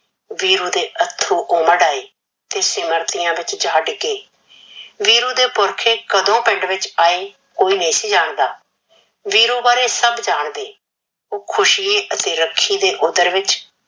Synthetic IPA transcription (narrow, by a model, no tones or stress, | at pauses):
ʋiːɾuːd̪eːʔət̪ʰːuːʔoːməɖaːiː | t̪eːsɪməɾt̪ɪjãːʋɪt͡ʃd͡ʒaːɖkeː | ʋiːɾuːd̪eːpʊɾkʰeːkəd̪õːpɪ̃ɳɖʋɪt͡ʃaːeː | koːiːnəĩːsiːd͡ʒaːɳd̪aː | ʋiːɾuːbaːɾeːsəbd͡ʒaːɳd̪eː | oːkʰʊʃiːeːʔət̪eːɾəkʰːiːd̪eːʔʊd̪əɾʋɪt͡ʃ